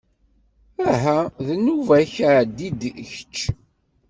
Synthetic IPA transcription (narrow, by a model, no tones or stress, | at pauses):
æɦæðənuvæçʕd̪id̪çət͡ʃː